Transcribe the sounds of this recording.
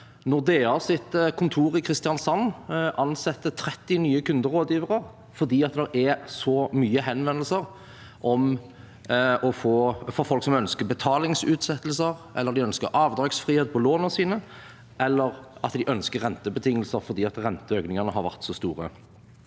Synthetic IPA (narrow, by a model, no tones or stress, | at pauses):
nɔʁd̪eɑsɪt̪kʰʊnt̪ʰuːɾɪkʰɾɪst̪ɪjɑnsɑnːʔɑnsɛt̪ːət̪ʰɾɛt̪ːɪnyːəkʉnd̪əʁoːd̪jiːʋəʁəʁ | fɔʁd̪iːɑt̪̚d̪ɛɾɛsɔmyːəɦɛnʋɛnəlsəʁ | ʔɔm | ʔɔfoːfɔɾfɔlksɔmœnskəbət̪ʰɑːlɪŋsʉːt̪sɛt̪ːlsəʁʔɛ̰lːəɾd̪ɪœnskəɾʔɑːʋd̪ɾɑːɡsfʁiːeːt̪̚pʰɔloːnɔsiːnə | ʔɛlːəʁɑt̪d̪ɪʔœnskəɾʁːɛnt̪əbət̪ʰɪŋːəlsəɾfɔʁd̪iːɑt̪ʁɛnt̪əøːɡnɪŋɑʁnəɦɑɾʋæ̰ʁt̪sɔːst̪uːʁə̰